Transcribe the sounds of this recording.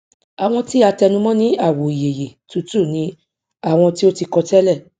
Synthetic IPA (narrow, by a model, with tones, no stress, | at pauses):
a˨w̃ɔ̃˧ti˦a˧tɛ˧nũ˧mɔ̃˦nĩ˦a˦˨wo˨i˨je˨je˨tu˨˧˦tu˦˨nĩ˨˦ | a˦˨w̃ɔ̃˧ti˦o˦ti˧kɔ˧tɛ˦lɛ˦˨